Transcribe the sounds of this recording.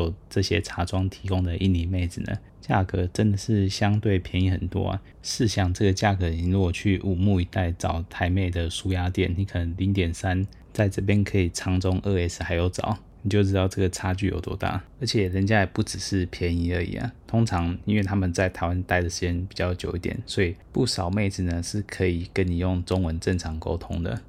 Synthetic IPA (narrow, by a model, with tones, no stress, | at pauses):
o˨˩ʊʈ͡ʂɤ˥˧˩ɕjɛ˦ʈ͡ʂʰa˧˥ʈ͡ʂwɑ˥ŋt̪ʰi˧˥kʊ˥ŋd̪ə˨ʔi˥˩ni˧me˥˩ɪd͡zɹ̩˨˩nə̰˩ | t͡ɕja̰˥˩kɤ˧˥ʈ͡ʂə˦˥nd̪ə˨ʂɻ̩˥˩ɕjɑ˥ŋt̪we˥˩ɪpʰjɛ˧˥ni˧˥xə̰˨˩nt̪wɔ̰˦a̰˨˩ | ʂɻ̩˥˧ɕjɑ˥˩ŋʈ͡ʂɤ˥˩ɡə˩t͡ɕja˥˨˩kɤ˧˦˨i˧˨˦nɻu˧˥ɡɔ˨˩t͡ɕʰy˥˩ʔu˨˩mu˥˩i˧˥t̪a˥˩ɪt͡sɑ˨˩ʊt̪ʰa˧˥ɪme˥˩ɪd̪ə˩ʂu˥ja˥t̪jɛ˥˩nni˧˥kʰɤ˨˩ə˧˦ŋli˧˥ŋt̪jɛ˨˩nsa˦n | t͡sa˥˧ɪʈ͡ʂɤ˥˩p̬jɛ˥nkʰɤ˧˥i˨˩t͡sʰɑ˧˥ŋt͡sʊ˥ŋʔə˥˧e˥s̩˨xa˧ɪjo˧˥ʊt͡sɑ̰˨˩˦ʊ | ni˨˩t͡ɕjo˥˧ʊʈ͡ʂɻ̩˥t̪ɑ˥˧ʊʈ͡ʂɤ˥˩ɡə˩t͡sʰa˥t͡ɕy˥˨jo˨˩ʊt̪wɔ̰˥˧t̪a̰˥˩ə˧˥t͡ɕʰjɛ˨˩ɻə˧˥nt͡ɕja˥˩˨pu˥˩ʈ͡ʂɻ̩˨˩ʂɻ̩˥˩pʰjɛ˧˥ni˧˥ə˧˥ḭ˨˩ə̰˨˩t̪ʰʊ˥ŋt͡sʰɑ˧˥ŋi˥nwe˥˩t̪ʰa˥mə˨nt͡sa˥˩ɪt̪ʰa˧˥ɪwa˦nt̪a˥ɪɾə˩ʂɻ̩˧t͡ɕjɛ˥npi˨˩t͡ɕjɑ˥˩ʊt͡ɕjo˨˩ʊi˥˩t̪jɛ̰˨˩nswɔ˧˥i˨˩pu˥˩ʂɑ˨˩ʊme˥˩ɪd͡z̩˨˩nə˩ʂɻ̩˥˩kʰɤ˧˥i˨˩kə˦nni˨˩jʊ˥˩ŋʈ͡ʂʊ˥ŋwə˧˦nʈ͡ʂə˥˩ŋʈ͡ʂʰɑ˧˥ŋko̰˥ʊt̪ʰʊ˥ŋd̪ə̰˨